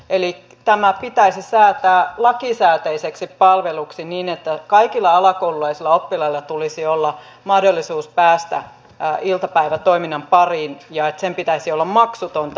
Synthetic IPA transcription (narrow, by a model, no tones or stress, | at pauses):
eli | t̪æmæpit̪æisisæːt̪æːlɑkisæːt̪eiseksippɑlʋeluksiniːnet̪ːækɑikilːɑɑlɑkoululɑisilːɑopːilɑilːɑt̪ulisiolːɑ | mɑhdolːisuːspæːst̪æ̰ | ilt̪ɑpæiʋæt̪oiminːɑmpɑriːnjɑet̪sempit̪æisiolːɑmmɑksut̪ont̪